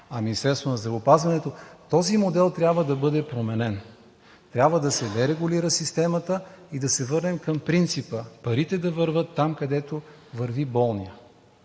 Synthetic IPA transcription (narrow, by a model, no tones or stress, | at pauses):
ɐminʲist̪ɛɾst̪vonɐzd̪ɾɐvopazvɐnɛt̪ot̪ɔzimod̪ɛlˠt̪ɾʲjabvəd̪ɐbɤd̪ɛpɾomɛnɛn | t̪ɾʲjabvəd̪ɐsɛd̪ɛɾɛɡuliɾəsist̪ɛmət̪əid̪ɐsɛvɤɾnɛmkɐmpɾint̪sipəpɐɾit̪ɛd̪ɐvəɾvɤt̪ːamkɐd̪ɛt̪o | vəɾvibɔlˠnijə